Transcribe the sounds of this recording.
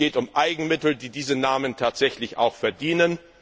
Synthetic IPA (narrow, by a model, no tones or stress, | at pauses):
eːtʊmʔaɪɡŋ̩mɪtl̩diːdiːzənaːməntʰaːtz̥ɛçlɪçʔa̰ʊxfɛɐdiːnən